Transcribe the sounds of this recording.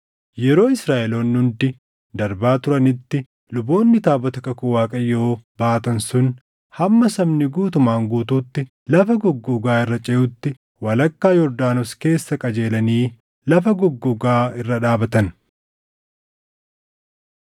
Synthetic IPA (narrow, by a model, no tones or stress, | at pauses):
jɛɾo̞ːɪsɾaːʔɛloːnːʊnd̪ɪ | d̪ɐɾbaːt̪ʊɾɐnɪt̪ːɪ | lʊbo̞ːnːɪt̪aːbɔt̪ɐkɐkʊwaːkʼɐjːoːbaːt̪ɐnsʊn | hɐmːɐsɐbnɪɡuːt̪ʊmaːŋɡuːt̪uːt̪ːɪ | lɐfɐɡɔɡːʊɡaːɪrːɐt͡ʃʼɛʔʊt̪ːɪ | wɐlɐkːaːjɔɾd̪aːnɔske̞ːsːɐkʼɐd͡ʒe̞ːlɐniː | lɐfɐɡɔɡːʊɡaːɪrːɐᶑaːbɐt̪ɐn